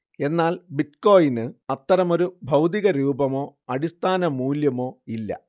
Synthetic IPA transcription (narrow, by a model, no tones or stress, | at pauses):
e̞nːaːlbitko̞ːjinɨɐt̪ːɐɾɐmo̞ɾubʱɐwd̪iɣɐɾuːbɐmo̞ːɐɽist̪ʰaːnɐmuːljɐmo̞ːilːɐ̰